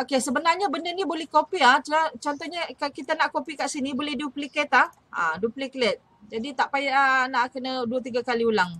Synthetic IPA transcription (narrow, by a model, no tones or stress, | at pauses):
okesəbənarɲabəndənĩbolɛhkopiaht͡ʃlat͡ʃɔnt̪ɔɲakakit̪anaʔkopikaʔsinibolɛhduplikɛt̪ah | a̰dupliklɛt̪̚ | d͡ʒadit̪aʔpajaʔanaʔkənaduət̪iɡakaliulaŋ